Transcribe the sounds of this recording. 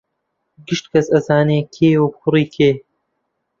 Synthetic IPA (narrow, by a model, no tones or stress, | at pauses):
ɡɨʃt̪kʰɐsɐzaːneːkʰeːubxʰʷʊriːkʰeː